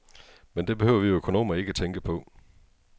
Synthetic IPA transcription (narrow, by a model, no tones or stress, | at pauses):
mend̥e̝b̥ehø̰ʊ̰ɐʋioøkʰo̝no̝̰ːmɐe̝ɡ̥əæt͡sʰeŋɡ̥əpʰɒ̽